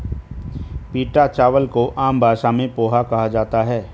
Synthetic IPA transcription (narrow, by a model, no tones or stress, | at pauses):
piːʈat͡ʃaːʋəlkoʔaːmbʱaːʃamẽpoːɦakɐɦad͡ʒaːt̪aɦɛː